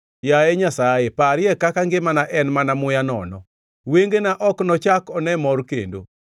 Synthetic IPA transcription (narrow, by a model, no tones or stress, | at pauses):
jaɛɲasajepaɾɪjɛkakaŋɡemanaʔɛnmanamʊjanɔ̰nɔ̰ | weŋɡenaʔɔknɔt͡ʃakɔnɛmɔɾkḛndo̰